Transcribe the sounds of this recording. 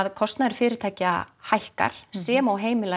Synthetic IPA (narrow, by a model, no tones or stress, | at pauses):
ðkʰɔst̪naðɛɾ̥fɪːɾɪɾt̪ʰaːjcahajhka̰ɾ̥sɛːmawɦeːjmɪla